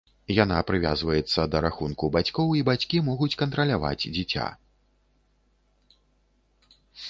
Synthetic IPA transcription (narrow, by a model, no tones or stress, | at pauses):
janapɾɨvʲa̰zvɐjɛt̪sːɐd̪ɐɾaxunkubat͡sʲkɔwibat͡sʲkʲimɔɣut͡sʲkɐnt̪ɾɐlʲava̰d͡zʲd͡zʲit͡sʲa̰